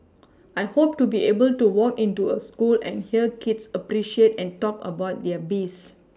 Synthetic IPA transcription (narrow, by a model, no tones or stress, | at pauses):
ajhop̚tubiʔebəltuwɔkĩntuəskulɛ̰̃nhiəkidsəpɾiʃietɛ̃ntɔkə̰baʊt̚dɛəbis